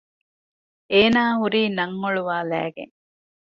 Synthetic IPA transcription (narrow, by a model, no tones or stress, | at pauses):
eːnaːɦuɾiːnɐŋːoɭuʋaːlæ̰ːɡḛŋ